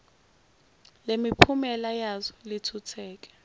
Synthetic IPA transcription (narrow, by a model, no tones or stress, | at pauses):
lemipʰumɛlajazɔlitʰutʰɛːk̬ʼɛ̥